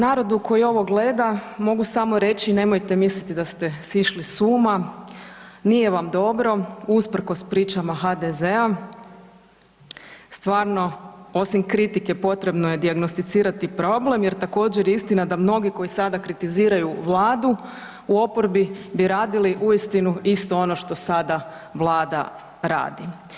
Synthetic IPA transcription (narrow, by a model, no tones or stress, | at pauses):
naːɾo̞d̪uko̞jio̞ʋo̞ɡle̞ːd̪amo̞ɡusamo̞ɾe̞t͡ʃine̞mojt̪emislit̪id̪ast̪e̞siʃlisuːma | nije̞ʋamd̪o̞bɾo̞uspr̩ko̞spɾiːt͡ʃamaɦad̪ezea | st̪ʋaːɾno̞o̞simkɾit̪ike̞po̞t̪ɾe̞bno̞je̞d̪iaɡno̞st̪it̪siːɾat̪ipɾo̞ble̞mje̞ɾt̪ako̞ːd͡ʑeɾjeist̪inad̪amno̞ɡiko̞jisad̪akɾit̪iziːɾajuʋlˠaːd̪u | uo̞po̞ɾbibiɾaːd̪iliʔuist̪inuist̪o̞o̞no̞ʃt̪o̞sad̪aʋlˠaːd̪a̰ | ɾa̰ːd̪i